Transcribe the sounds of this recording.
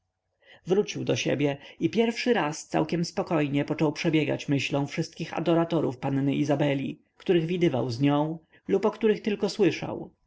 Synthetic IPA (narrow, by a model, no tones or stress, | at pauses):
vɾut͡ɕiwd̪ɔɕḛbʲjɛipʲjɛɾfʂɘɾast̪sa̰wkʲɛmspɔkɔjɲɛpɔt͡ʂɔwpʂɛbʲjɛɡa̰t͡ɕmɘɕlɔ̃w̃fʂɘst̪kʲixa̰d̪ɔɾat̪ɔɾufpanːɘʔizabɛlʲḭ | kt̪uɾɘɣvʲid̪ɘva̰wzɲɔ̃w̃ | lupɔkt̪uɾɘxt̪ɘlkɔswɘʂa̰w